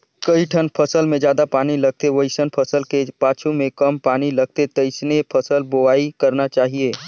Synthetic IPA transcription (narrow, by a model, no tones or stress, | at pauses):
kəiʈʰənpʰəsəlmẽd͡ʒjaːd̪apaːniləɡ̚t̪eʋəɪsənpʰəsəlkepaːt͡ʃʰumẽkɐmpaːnilɐɡ̚t̪et̪əɪsnepʰəsəlboaːikɐɾnat͡ʃaːɦieː